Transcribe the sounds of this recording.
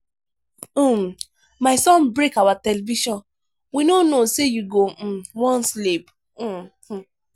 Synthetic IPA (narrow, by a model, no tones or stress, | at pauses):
m | maɪsɔ̃nbɹekawatɛlɛviʃɔ̃n | winonosejuɡowɔ̃nslip̩